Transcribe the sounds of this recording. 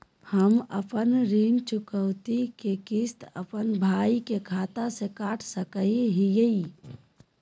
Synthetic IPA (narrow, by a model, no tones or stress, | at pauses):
həməpənɾiːnt͡ʃʊkəwt̪ikekɪst̪ə̰pənbʱaːikekʰaːt̪asekaːʈʰsəkəiɦijəi